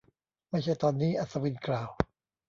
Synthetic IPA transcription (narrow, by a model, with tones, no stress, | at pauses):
ma˥˩jt͡ɕʰa˥˩jt̪ɔː˧nːiː˦˥ʔa˨˩t̪sa˧wi˧nklaː˨˩w